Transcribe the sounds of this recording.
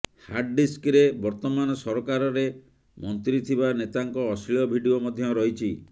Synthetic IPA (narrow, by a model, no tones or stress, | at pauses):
haɾɖɖiskɾebɔɾt̪ɔmanɔsɔɾɔkaɾɔɾe | mɔnt̪ɾit̪ʰibanet̪aŋkɔːsliɔbʱiɖiomɔd̪ʱjɔɾɔɦit͡ʃʰi